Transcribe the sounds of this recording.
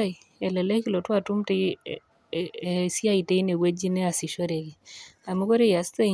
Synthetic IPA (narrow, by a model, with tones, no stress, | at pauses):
i˨ | ɛ˨lɛ˨lɛ˦kɪ˦lo˨twa˦˨tu˦mtɪ˦ | si˦a˦i˨te˦i˦ne˨we˦d͡ʒi˦nɛ˦a˨sɪ˨ʃo˦ɾe˨ki˨a˨mu˦ko˦ɾe˦ja˨ste˦